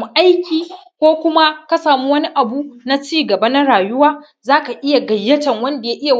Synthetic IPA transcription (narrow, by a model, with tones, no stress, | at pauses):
mu˦ʔa˦jkʲiː˨kʷoː˦kʷʊ˦ma˦ka˦saː˨muː˦wɐ˦ni˦ʔa˨bu˦na˦t͡ʃiː˦ɡɐ˨ba˦na˦ɽaː˨jʊ˦waː˦ | zaː˦ka˨ʔɪ˦ja˨ɡɐ˨jːɐ˦tɐ˨ŋwɐ˦nda˨ja˦ʔɪ˦ja˨